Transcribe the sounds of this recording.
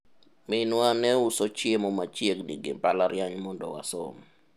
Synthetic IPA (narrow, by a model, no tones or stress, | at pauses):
mɪnwanɛʊsot͡ʃjemɔmat͡ʃjeknḭɡɪ̰palaɾjaɲmɔndɔ̰wa̰so̰m